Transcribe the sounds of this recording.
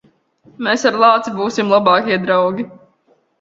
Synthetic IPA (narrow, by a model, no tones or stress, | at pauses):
meːsaɾlˠɑːt̪sibuːsimlˠabɑːkiɛd̪ɾawɡʲi